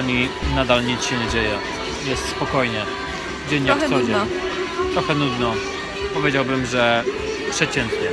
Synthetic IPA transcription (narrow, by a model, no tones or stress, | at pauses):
ɲinad̪alɲit̪sɕɛɲɛd͡ʑejɛ | jɛst̪spɔkɔjɲɛ | d͡ʑeɲːakxɔd͡ʑɛ | t̪ɾɔxɛnud̪nɔ | pɔvʲed͡ʑawbɘmʐɛ | pʂɛt͡ɕɛnt̪ɲɛ